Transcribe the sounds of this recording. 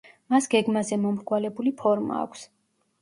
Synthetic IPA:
masɡɛɡmazɛmɔmɾɡwalɛbulipʰɔɾma̰ːkʷʰs

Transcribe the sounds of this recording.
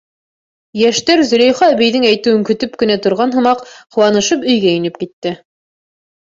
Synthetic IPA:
jæʃt̪æɾzɵ̆læjχɑːβijðɘŋæjt̪ɘ̆wɘŋkɵ̆t̪ɵpkɵ̆næt̪ŏɾʁɑnɦɤ̆mɑqhɤ̆wˠɑnɤ̆ʃɤpɵ̆jɡæinɘp̚kit̪ːɘ

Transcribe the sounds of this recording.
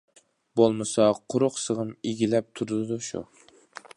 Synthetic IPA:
bolˠmɨsɑqʰʊɾʊqsəʁɨmeɡʲilɛp̚t̪ʰuɾd̪ɨd̪uʃṵ

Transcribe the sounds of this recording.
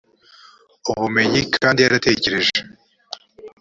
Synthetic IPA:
uβume̞ɲikʰaːndiaɾate̞ːce̞ɾe̞ʒe

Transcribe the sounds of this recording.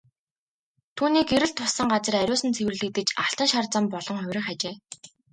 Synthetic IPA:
t̪ʰuːniːkeɾɘ̆ɬt̪ʰːʊsə̆ŋɢat͡sə̆ræɾʲʊːsə̆nt͡sʰewɘ̆rɮɘ̆k̚t̪ɘ̆t͡ɕaɬt̪ə̆ŋʃart͡sə̆mpɔɮɞ̆ŋχʊwʲrʲɪ̆χat͡ɕeː

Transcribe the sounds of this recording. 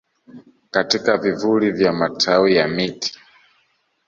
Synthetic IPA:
katikavivulivjamatʰawijamiti̥

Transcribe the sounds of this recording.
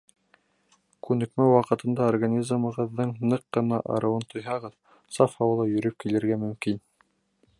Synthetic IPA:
kʉnɘ̆kmæwɑqɤ̆t̪ɤ̆nd̪ɑorɡanʲizmɤ̆ʁɤ̆ðːɤɴnɤqːɤ̆nɑ̰ʔɑ̰ɾʔɤ̆wɤnt̪ʰŏjɦɑʁɤð | sɑfɑwɤ̆lˠɤjɵ̆ɾɵp̚kilɘ̆ɾɡæmɵ̆mkin

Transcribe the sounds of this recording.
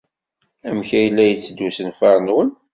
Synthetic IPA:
æmçæjəlːæjət͡sːd̪ːusənfɑɾˤnwən

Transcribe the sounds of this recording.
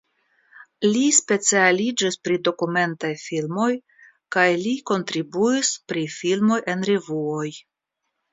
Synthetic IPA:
lispe̞t͡sialid͡ʒispɾido̞kume̞ntajfilmo̞j | kajliko̞ntɾibuispɾifilmo̞jʔe̞nɾevuo̞j

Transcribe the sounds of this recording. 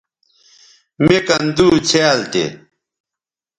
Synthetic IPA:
mekɐnd̪uːt͡ɕʰeːlt̪ḛ

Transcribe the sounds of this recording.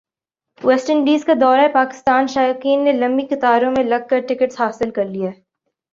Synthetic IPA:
wɛːsʈəɳɖiːzkad̪ɔːɾaɛpaːkɪ̥st̪aːnʃaːjaːkiːnːelɐ̃mbixɪt̪aːɾõmẽlɐɡ̚kɐɾʈɪkəʈshaːsɪlkɐɾlia

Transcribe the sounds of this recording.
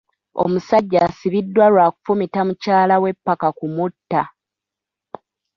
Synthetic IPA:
o̞̰musaɟːaːsiβidːwaɾwaːku̥fumitamucaːlawe̞pːakakumutːa

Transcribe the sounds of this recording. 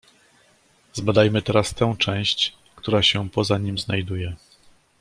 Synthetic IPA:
zbad̪ajmɘt̪ɛɾast̪ɛ̃w̃t͡ʂɛ̃w̃ɕt͡ɕ | kt̪uɾaɕɛpɔzaɲimznajd̪ujɛ

